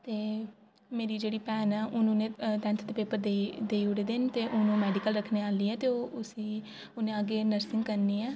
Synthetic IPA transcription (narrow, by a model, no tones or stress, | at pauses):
t̪eː | meːɾiːd͡ʒeːɽiːpɛːnɛːʔʊnũːnẽːt̪ɛ̃ːnt̪ʰd̪eːpeːpəɾd̪ed̪eːiʊɽeːd̪ɪnt̪eːʔʊnũːmɛːɖɪkəlɾəkʰneːaːliːɛːt̪eːoːʔʊsiː | ʊnẽːaɡeːnəɾsɪ̃ŋɡkəɾniːɛː